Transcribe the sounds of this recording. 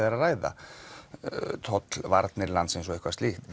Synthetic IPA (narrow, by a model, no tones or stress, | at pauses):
ðaɾaraːjða̰ | t̪ʰɔt̪lvaɾt̪nɪɾlant̪sɪns̬ɔehkvast̪iːht̪